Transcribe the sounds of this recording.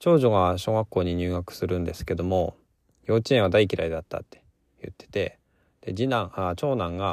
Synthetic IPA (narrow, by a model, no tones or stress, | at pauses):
t͡ɕo̞ːʑo̞ɡaɕo̞ːɡakːo̞ːɲ̟iɲ̟ɨːɡakɯ̟̥sɨɾɯ̟̃nd̪e̞sɨ̥ke̞d̪o̞mo̞ | jo̞ːt͡ɕiẽɰ̃ad̪aik̬ʲiɾaid̪at̪ːa̰t̪ːe̞̥ | jɯ̰t̪ːe̥t̪e̞̰ | d̪̥e̞d͡ʑinãat͡ɕo̞ːnãŋɡa